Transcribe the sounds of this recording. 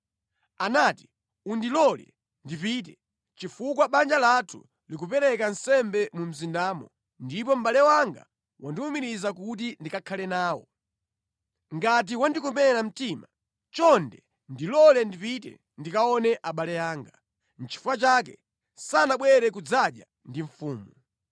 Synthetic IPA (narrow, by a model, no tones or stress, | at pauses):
anaːti̥ | undilɔlɛ̰ | ndipiːt̬ɛ | t͡ʃifukwaɓand͡ʒalatʰu̥̰ | likupɛɾɛkansɛmbɛmum̩zindaːmɔ̰ | ndipɔm̩ɓalɛwaŋɡa̰ | wʔandiwumiɾizakut̬indikakʰalɛnaːwɔ̰ | ŋɡat̬iwandikumɛɾam̩tima | t͡ʃɔndɛ | ndilɔlɛndipitɛ̰ | ndikaɔnɛʔaɓalɛjaːŋɡa | n̩t͡ʃʰi̥fuwat͡ʃak̬ɛ | sanaɓwɛɾɛk̬ud͡zaɗja̰ | ndiɱ̩fuːmu